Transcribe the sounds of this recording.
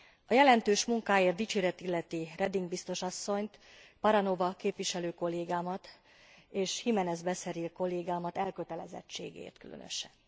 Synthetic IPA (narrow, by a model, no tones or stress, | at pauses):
ɒjɛlɛnt̪øːʃmuŋkaːjeːrt̪it͡ʃeːɾɛt̪ilːɛt̪irɛd̪iŋɡbist̪o̞ʃɒsːo̞ɲt̪ | pɒɾɒno̞vɒkeːpʋiʃɛløːko̞lːeːɡaːmɒt̪ | eːʃhimɛnɛzbɛsɛɾilko̞lːeːɡaːmɒt̪ɛlkøt̪ɛlɛ̰zɛ̰t͡ʃːḛːɡḛːrt̪kylʔø̰nø̰ʃɛn